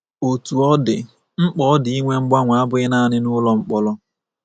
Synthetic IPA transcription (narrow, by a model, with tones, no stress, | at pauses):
o˨tu˨ɔ˦dɪ˨ | ŋ͡m̩˦k͡pɔ˦ɔ˦dɪ˨i˦ŋʷe˦ŋ͡m̩˦ɡ͡ba˦ŋʷa˨a˦bʊ˦ɪ˦na˦˨nɪ˦nʊ˦lɔ˦ŋ͡m̩˦k͡pɔ˦lɔ˦